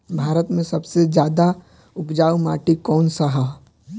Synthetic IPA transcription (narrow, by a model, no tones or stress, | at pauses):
bʱaːɾət̪mẽsɐbsed͡ʒjaːd̪a | ʊkd͡ʒaːumaːʈikɔːnsɐɦa